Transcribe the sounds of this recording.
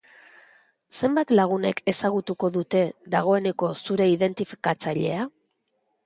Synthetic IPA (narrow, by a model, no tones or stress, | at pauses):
se̞mbat̪laɣ̞une̞̰ke̞saɣ̞ut̪uko̞ðut̪e̞ðaɣ̞o̞e̞ne̞ko̞suɾe̞iðe̞nt̪ifi̥kat͡saʎe̞a